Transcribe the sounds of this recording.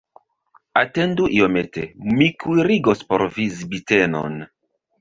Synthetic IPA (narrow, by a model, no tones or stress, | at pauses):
ate̞nduʔiometemikʰujɾiɡospo̞̰ɾvizibite̞no̰n